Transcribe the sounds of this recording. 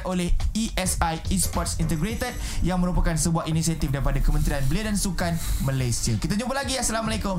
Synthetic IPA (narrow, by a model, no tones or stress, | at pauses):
ʔolehiʔɛsajispɔt̪̚sint̪əɡɾet̪ət̪̚jaŋmə̃ɾupakansəbuaʔinisiat̪ifdaɾipadakəmə̃nt̪ɾianbəliadansukanmãlajsiakit̪aɲũpəlaɡiasalamalekʊm